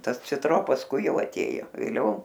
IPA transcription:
ˈtɐs t͡sʲɪtˈroː pɐsˈkʊɪ ˈjɛʊ ɐˈtʲeːjoː ʋʲeːˈlʲɛʊ

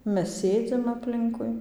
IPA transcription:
ˈmʲɛs ˈsʲeːd͡zʲɪm ɐpʲˈlʲɪŋkʊɪ

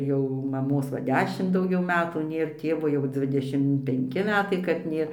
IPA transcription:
ˈjɛʊ mɐˈmoːs ˈʋɐ ˈdʲæːʃʲɪmt dɐʊˈɡʲɛʊ ˈmʲæːtuː ˈnʲeːr ˈtʲeːʋoː jɛʊ ˈd͡zʲʋʲɪdʲɛʃʲɪm pʲɛŋʲˈkʲɪ ˈmʲæːtɐɪ kɐt ˈnʲeːr

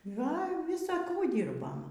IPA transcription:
ˈɡɐlʲ ˈʋʲɪsɐ ˈkuː ˈdʲiːrboːm

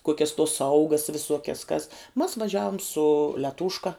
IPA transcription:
ˈkoːkʲɛs toːs ˈsɐʊɡɐs ʋʲɪˈsuɔkʲɛs kɐs mɐs ʋɐˈʒʲæːʋoːm sʊ lʲɛˈtuːʃkɐ

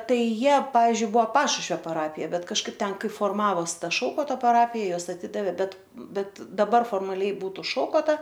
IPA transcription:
ˈtɐɪ ˈjiɛ ˈpɑːʋʲiːzʲd͡ʒʲʊɪ ˈbʊɐ ˈpɑːʃʊʃʲʋʲoː pɐˈrɑːpʲɪjɛ ˈbʲɛt kɐʃˈkɐɪp ˈtʲɛn ˈkɐɪ foːrˈmɑːʋoːs ˈtɐ ˈʃɐʊkoːtoː pɐˈrɑːpʲɪjɛ ˈjuɔs ɐˈtʲɪdɐʋʲeː ˈbʲɛt ˈbʲɛt dɐˈbɐr foːrmɐˈlʲɛɪ ˈbuːtʊ ˈʃɐʊkoːtɐ

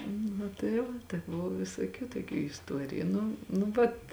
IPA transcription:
nʊ tɐɪ ˈʋɐ tɐɪ ˈbʊʋoː ʋʲɪsoːˈkʲuː toːˈkʲuː ɪsˈtuɔrʲɪjʊ ˈnʊ nʊ ˈʋɐt

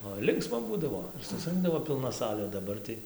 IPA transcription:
oːɪ ˈlʲɪŋksmɐ ˈbuːdɐʋoː ɪr sʊsˈrɨŋɡdɐʋoː pʲɪlˠˈnɐ ˈsɑːlʲeː dɐˈbɐr tɐɪ

